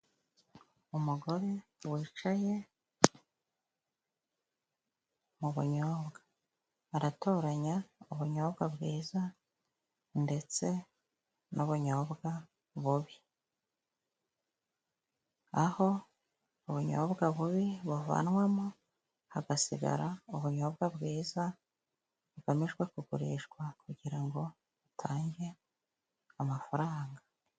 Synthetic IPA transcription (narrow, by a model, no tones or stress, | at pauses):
umuɡo̞ɾe | wiːt͡ʃaje̞ | muβṵɲoːβɡaː | ɾato̞ːɾaɲauβuɲo̞ːβɡabɡiːza | nde̞t͡se̞ | noβuɲo̞ːbɡa | βuβi | aho̞ | uβuɲo̰βɡaβuβiβuva̰nwamu | haɡasḭɡa̰ɾauβuɲo̞ːbɡabɡiːza | βuɡamiʒɡwe̞kuɡuɾḭːʃɡwakuɟiɾaŋɡo̞ | βutʰaːɲɟe̞ | amafaɾaːŋɡa